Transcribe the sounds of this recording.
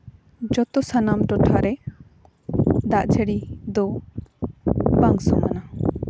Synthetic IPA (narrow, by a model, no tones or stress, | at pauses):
d͡ʒɔt̪ɔsanamʈɔʈʰaɾɛ | d̪aʔd͡ʒʰʱeɽid̪ɔ | paŋsɔma̰na